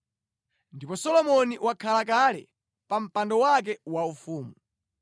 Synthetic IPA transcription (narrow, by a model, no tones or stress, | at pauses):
ndipɔsɔlɔmɔniwakʰalakalɛ̰ | pam̩pandɔwak̬ɛwaufuːmu